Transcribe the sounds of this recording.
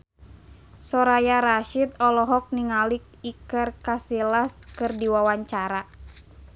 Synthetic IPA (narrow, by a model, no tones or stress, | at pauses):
sɔɾajaɾaʃit̪ɔlɔɦɔk̚niŋalik̚ikərkasilaskɨrdiwawaɲt͡ʃaɾa